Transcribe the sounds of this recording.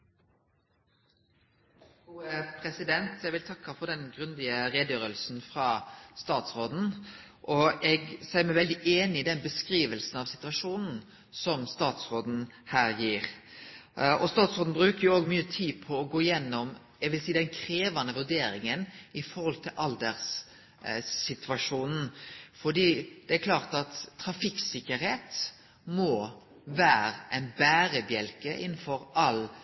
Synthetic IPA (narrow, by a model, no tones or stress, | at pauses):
pʰɾɛsɪd̪ɛnt̪ʰɛɡʋɪlt̪ʰɑkːɑfɔd̪ɛnɡɾʉnd̪ɪəɾeːd̪jøːɾəlsn̩fɾɑːst̪ɑːt̪sʁoːd̪n̩ | ʔɔɛɡsæɪmæɪʋɛld̪ɪʔeːnɪːd̪ɛnbəskɾiːʋəlsn̩ɑʋsɪ̥t̪ʉɑʂuːnn̩ | sɔmst̪ɑːt̪sʁoːd̪n̩ | hæːɾjiːɾ | ɔst̪ɑːt̪sʁoːd̪n̩bʁʉːkəjʊoːɡmyːət̪ʰiːd̪pʰɔːɡoːɪjɛnːɔm | jæɡʋɪlsiːd̪ɛnkʰɾeːʋɑnəʋʉd̪eːɾɪŋənɪfɔɾʁhɔlt̪ʰɪlʔɑld̪əʁs | ɪt̪ʰʋɑʂuːnn̩fɔɖ̪iːd̪̥ɛæɾkʰlɑːʁt̪ɑt̪ʰːɾɑfɪksɪkəɾheːt̪ | mɔ | ʋæːɾəʔɛnbæːɾəbjɛlkəʔɪn̩fɔɾʔɑl